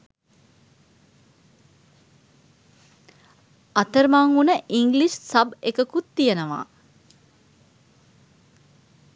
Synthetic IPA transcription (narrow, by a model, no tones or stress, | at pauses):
ɐt̪əɾmaŋunəʔiŋɡliʃsɐbekəkut̪ːijənəʋa̰ː